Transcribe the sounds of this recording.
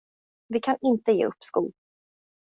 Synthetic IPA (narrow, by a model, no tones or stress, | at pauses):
vɪkʰanɪnt̪əjḛːɵpːskṵːl